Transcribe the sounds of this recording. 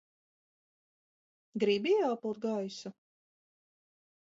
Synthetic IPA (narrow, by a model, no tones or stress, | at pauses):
ɡɾibijaːpɨlˠt̪̚ɡajsu